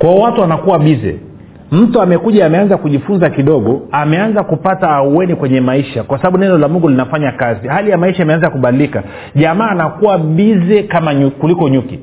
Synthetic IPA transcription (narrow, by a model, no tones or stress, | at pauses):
kwaɔwatuanakuwaɓizɛ̰ | m̩tuamɛkuʄaːmɛanzakuʄifunzakiɗɔɠɔamɛanzakupataːuwɛnikwɛɲɛmaiʃakwasaɓaɓunɛndɔlamuŋɡulinafaɲakazihalijamaiʃaimɛanzakuɓalilika | ʄamaːnakuwaɓizɛkamaɲukulikɔɲuki